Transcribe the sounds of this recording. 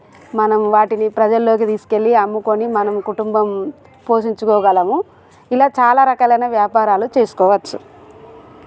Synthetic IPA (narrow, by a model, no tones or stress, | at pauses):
mɐnɐmʋaːʈinipɾɐd͡ʒɐlːo̞ːk̬it̪iːsu̥ke̞lːiɐmːukonimɐnɐmkuʈumbɐm | po̞ːʃiɲt͡ʃukɔːɡɐlɐmu | ilaːt͡ʃaːlaːɾɐkaːlɐjnɐʋjaːpaːɾaːlut͡ʃe̞ːsu̥kɔːʋɐt͡ʃːṵ